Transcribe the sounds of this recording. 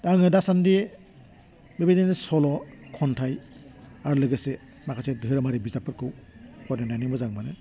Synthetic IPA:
daŋɯdasandi | bebedanesɔlɔkʰɔntʰajaɾulɯɡese | makʰasedʱɯɾamaɾibizapɯɾkʰɯwkʰɔtnanajnibɔzaŋmanɯ

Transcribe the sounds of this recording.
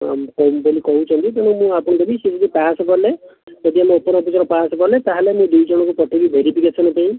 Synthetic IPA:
a̰mkɔbolikɔɦut͡ʃʰɔnt̪ip̪eɽ̃ɔmũapɔɽ̃ɔd̪ebised͡ʒɔd̪ipasɔkɔɾled͡ʒɔd̪iameopɔɾɔpit͡ʃɔɾɔpasɔkɔɾlet̪aɦelemũd̪ujd͡ʒɔɽ̃ɔ̃kupɔʈʰibibʱeɾipiɡet͡ʃʰɔnɔp̪aĩ

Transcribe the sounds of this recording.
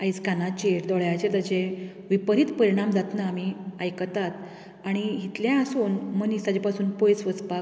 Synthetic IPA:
ait͡skanat͡ɕeɾd̪ɔɭjat͡ɕet̪ət͡ɕe | ʋipəɾit̪pəɾiɽ̃amd͡zat̪naːmiajkət̪at̪ | aɽ̃iɦit̪ljãəsuːnmənisad͡ʑepasuːnpojsʋəspa

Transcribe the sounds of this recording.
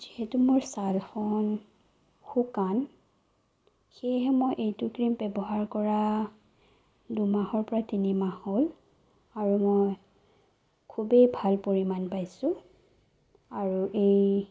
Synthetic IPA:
zihɛtumoɹsalxɔn | xukan | xeɦɛmɔjʔejtukɹimbɛbɔɦaɹkɔɹa | dumahɔɹpɔɹatinimahol | aɹumɔj | kʰubejbʱalpoɹimanpajsʊ̃ | aɹuʔej

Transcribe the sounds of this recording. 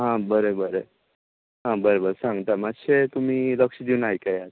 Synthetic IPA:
ɦãbəɾebəɾe | ɦãbəɾebəɾsãŋɡt̪amat̪ɕet̪um̤iːləkʂəd̪iunaikajat̪̚

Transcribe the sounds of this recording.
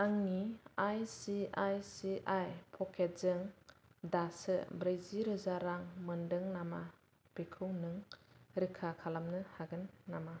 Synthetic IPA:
aŋniajsiajsiʔajpʰɔkʰetzɯŋdasɯ̰bɾɯjziɾɯzaɾaŋmɯndɯŋnama | b̥ekʰɯwnɯŋɾɯkʰakʰalamnɯhaɡɯnːama

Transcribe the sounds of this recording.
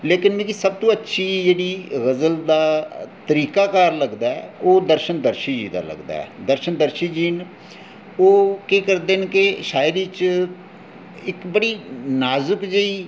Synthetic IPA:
leːkɪnmẽːkisəb̚t̪õːətːʃʰiːd͡ʒeːɽiːɣəzəld̪aːt̪əɾiːkaːkaːɾləɡd̪aːɛoːd̪əɾʃənd̪əɾʃiːd͡ʒḭːd̪a̰ːlə̰ɡd̪a̰ːɛ̰ːd̪əɾʃənd̪əɾʃiːd͡ʒiːn | oːkeːkəɾd̪eːnkɪʃaːjəd̪t͡ʃ | ɪkbəɽiːnaːzəkd͡ʒeiː

